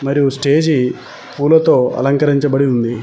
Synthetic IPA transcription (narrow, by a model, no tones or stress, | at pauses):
mɐɾijusʈe̞ːd͡ʒi | puːlɐt̪o̞ːɐ̰lɐŋkɐɾiɲt͡ʃɐbɐɽiund̪i